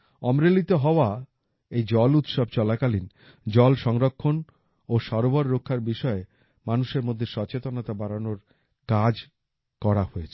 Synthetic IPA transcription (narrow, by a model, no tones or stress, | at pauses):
ɔmɾelit̪eɦɔoa | ejd͡ʑɔlut̪ʃɔb̚t͡ɕɔlakalin | d͡ʑɔlʃɔŋɾokʰːon | oʃɔɾoboɾːokʰːaɾbiʃɔe | manuʃeɾmod̪ʱːeʃɔt͡ɕet̪onat̪abaɾanoɾ | kad͡ʑ | kɔɾahoet͡ɕʰe̥